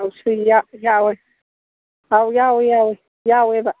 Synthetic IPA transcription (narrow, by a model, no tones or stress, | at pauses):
awsijajawɛ | awjawɛjawɛ | jawɛba